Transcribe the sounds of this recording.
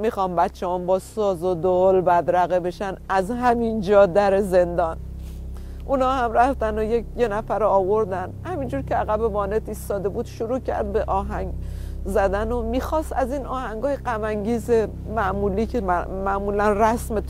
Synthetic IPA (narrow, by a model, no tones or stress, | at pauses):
mixɒːmbæt̪t͡ʃʰːehɒːnbɒːsɒːzod̪oolbæd̪ɾæɣebe̞ʃænʔæzhæmind͡ʒɒːd̪æɾe̞ze̞nd̪ɒːn | ʔunɒːhæmræft̪ænojekʰje̞næfæɾoɒːvo̞ɾd̪ænhæmind͡ʒuːɾcʰʲeæɣæbevɒːnet̪iːst̪ɒːd̪e̞buːd̪̥ʃoɾuːcʰæ̰ɾd̪̚be̞ʔɒːɦæŋɡzæd̪ænomiːxɒːst̪æziːnɒːhæŋɡɒːjeɢæmæŋɟiːze̞ | mæʔmuːliːkʰemæʔmuːlænræsmet̪